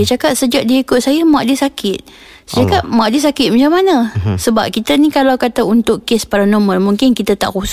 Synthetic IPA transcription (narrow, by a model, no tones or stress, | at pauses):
ət͡ʃakat̪̚səd͡ʒaʔ̚diikʊt̪̚sajəmaʔ̚disakʰɪt̪̚ | səd͡ʒakaʔ̪̚maʔ̚disakɪt̪̚mat͡ʃamːanə̃səba̰p̚kit̪ənikalawkat̪aunt̪ʊkkːespaɾanɔmənmuŋkɪnkit̪at̪a̰ʔkus